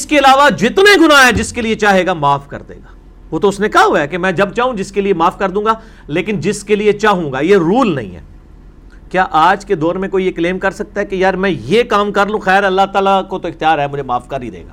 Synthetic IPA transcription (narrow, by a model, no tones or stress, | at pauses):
ɪskeɪlaːʋad͡ʒɪt̪neɡʊnaɦɛ̃d͡ʒɪskeliet͡ʃaːɦeːɡamaːfkɐ̰ɾd̪ḛːɡaː | ʋoːt̪oʊsnẽkaɦuakemɛ̃ːd͡ʒɐb̚t͡ʃaːɦũd͡ʒɪskeliemaːfkɐɾd̪ũːŋɡaː | leːkɪnd͡ʒɪskeliet͡ʃaːɦũːɡaːjeɾuːlnɐ̰ɦḭ̃ɦɛ̰ː | kjaːʔaːd͡ʒked̪ɔːɾmẽkoːijekleːmkɐɾsɐk̚t̪aɦɛkejaːɾmɛ̃jekaːmkɐɾlũːxɛːɾɐlːaɦt̪aːlakot̪oɪxt̪ijaːɾɦɛmʊd͡ʒʱemaːfkɐɾid̪ḛːɡa̰ː